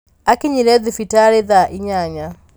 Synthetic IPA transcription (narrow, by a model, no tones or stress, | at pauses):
akɪɲiɾɛðifitaɾeðaʔiɲaɲa